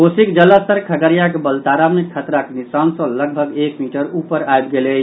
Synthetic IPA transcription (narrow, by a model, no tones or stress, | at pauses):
osikd͡ʒələst̪əɾkʰəɡəɾjakebəlt̪aɾamekʰət̪ɾakenisansə̃ləɡbʱəɡekmiʈəɾupəɾajbɡele